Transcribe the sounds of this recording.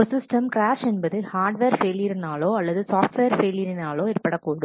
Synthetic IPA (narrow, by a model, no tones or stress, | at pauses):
ɯsɪsʈɐmkɾaːʂɛnbɐðɯhaːɾɖʋeːɾfeːljɐɾɪnaːloːɐlːɐðɯsaːfʈʋeːɾfeːlɪjɐɾɪnaːloːɪɾpːɐɽɐkːoːɽɯ